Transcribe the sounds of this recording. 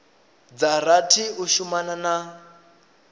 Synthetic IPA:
d͡zaɾatʰiuʃumanana

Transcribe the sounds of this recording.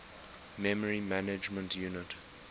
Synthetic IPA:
mɛməɹimænɪd͡ʒmə̃ntʰjunɪt

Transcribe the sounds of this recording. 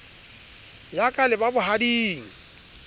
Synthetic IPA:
jakʼalɪbabʊɦadiːŋ̩

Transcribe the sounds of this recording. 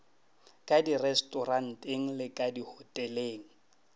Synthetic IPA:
kʼadirɛstʼɔran̩tʼeŋ̩lɪkʼadihɔtʼɛleːŋ̩

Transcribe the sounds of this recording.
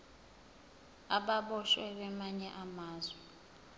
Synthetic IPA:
aɓaɓɔʃwɛɓɛmaɲɛʔamaːzwɛ

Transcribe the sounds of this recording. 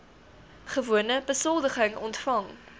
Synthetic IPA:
χəvuənəbəsɔlˠdəχəŋɔntfɐŋ

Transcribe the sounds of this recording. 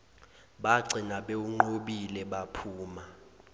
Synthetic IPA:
ɓaɡ͡ǀʱinaɓeuŋ͡ǃoɓilɛɓapʰuːma

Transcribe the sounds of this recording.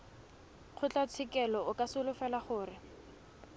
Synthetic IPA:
q͡χʰʊt͡ɬat͡sʰɪkɛlɔʊkʼasʊlʊfɛlaχʊːrɪ

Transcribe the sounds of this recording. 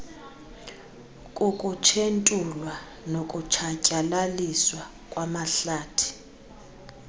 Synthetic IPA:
kʼukʼut͡ʃʰentʼulwa | nokʼut͡ʃʰacʼalaliswa | kʼwamaɬaːtʰi̥

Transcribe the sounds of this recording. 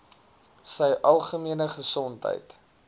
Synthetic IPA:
səjʔɐlˠχəmiənəχəsɔntɦə̰jt

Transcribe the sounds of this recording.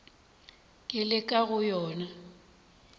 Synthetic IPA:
kʼɪlɪkʼaɣʊjɔːna

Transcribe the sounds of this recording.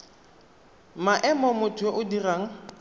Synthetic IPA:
maʔɛmɔmʊtʰʊʔʊdiraːŋ̩

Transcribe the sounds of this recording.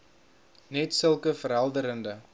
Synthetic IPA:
nɛtsəlˠkəfəɾɦælˠdəɾəndə

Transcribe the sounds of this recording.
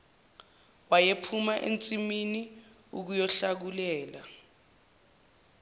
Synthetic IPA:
wajepʰumaʔḛnt͡sʼimini | uk̬ujɔɬak̬ulɛːla

